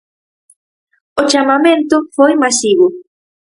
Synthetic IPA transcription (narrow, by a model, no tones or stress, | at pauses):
ot͡ʃamamẽnt̪ʊfojmasiβʊ